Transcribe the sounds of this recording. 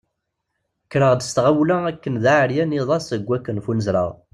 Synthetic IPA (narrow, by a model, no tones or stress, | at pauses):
kːɾəʁd̪əst̪ʁawlæækːənðaʕəɾjæniðˤɑsəɡʷːækːənfunəzɾə̰ʁ